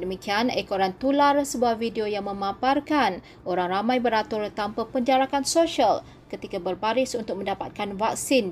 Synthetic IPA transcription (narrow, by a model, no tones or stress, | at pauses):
dəmĩkianekoɾant̪ularsəbuavideojaŋmə̃mãparkan | ʔoɾaŋramãjbəɾat̪ʊrt̪ampapəɲd͡ʒaɾakansoʃial | kət̪ikabərbaɾɪsunt̪ʊk̚mə̃ndapat̪̚kanvak̚sin